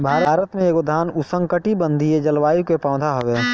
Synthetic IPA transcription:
bʱaːɾəːɾət̪mẽekod̪ʱaːnʊsə̃ŋkəʈibə̃nd̪ʱied͡ʒəlʋaːikepãːʊd̪ʱaɦoʋeː

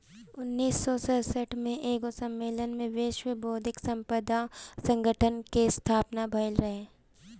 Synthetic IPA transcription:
ʊnːiːsːɔsəɦsəʈʰmẽʔeːɡosəmːeːlənmẽʋeːʃʋəboːd̪ʱɪksə̃mpəd̪asə̃ŋɡəʈʰənkest̪ʰaːpnabʱəɪlɾɐɦeː

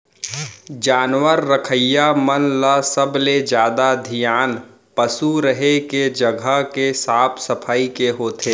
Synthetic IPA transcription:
d͡ʒaːnwəɾːəkʰəjamənlasəbled͡ʒjaːd̪ad̪ʱijaːn | pəsuɾəɦeked͡ʒəɡʱəkesaːpʰsəpʰaːikeɦoːt̪ʰeː

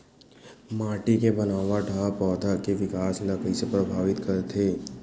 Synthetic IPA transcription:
maːʈikebɐnaːʋaʈʰapɔːd̪ʱakeʋɪkaːsinakɐisepɾɐbʱaːʋɪt̪kɐɾet̪ʰeː

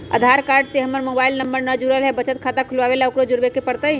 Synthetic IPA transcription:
ə̰d̪ʱaɾkaːɾɖseɦəmːəɾmobailnəmbəɾnəd͡ʒuɾəlɦɛbət͡ʃət̪̚kʰaːt̪akʰulʋaʋelaokɾod͡ʒʊɾbekepəɾt̪ə

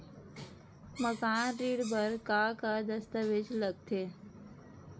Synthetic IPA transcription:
məkaːnɾiːɽbəɾkaːkad̪əst̪əʋɪd͡ʒləɡ̚t̪ʰeː

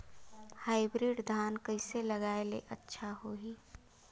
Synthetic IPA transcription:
haːɪbɾiːɖd̪ʱaːnkəɪseləɡaːelḛʔətːʃʰaɦoɦiː

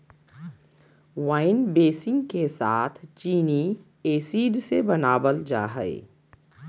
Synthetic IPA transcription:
waːɪnbeːsɪ̃ŋɡkesaːt̪ʰt͡ʃiːni | eːsiːɖsebɐnaːbəld͡ʒa̰ːɦə̰ḛ

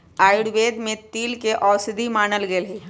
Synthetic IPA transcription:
aːɪɽʋeːd̪mẽt̪iːlkeʔɔːwsɪd̪ʱimaːnəlɡelɦe

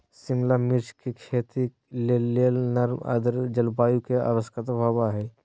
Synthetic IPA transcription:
sɪmlamɪɾt͡ʃkekʰeːt̪i | leeːlnɐɾmə̰d̪əɾd͡ʒɐlbaːjukea̰ʋəskət̪bʱaːbaɦɛː

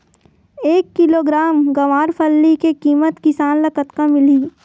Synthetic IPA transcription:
eːkːɪloːɡɾaːmɡɐʋaːɾpʰɐlːikekiːmət̪kɪsaːnlɐkət̪kamɪliː

